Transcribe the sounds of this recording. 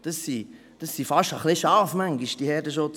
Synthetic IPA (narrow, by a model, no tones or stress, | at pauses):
d̥əsːi | d̥ɑsːifɑʃtəχlɪʃɑɾfmæŋɡiʃd̥ihɛːɾdəʃʊt͡s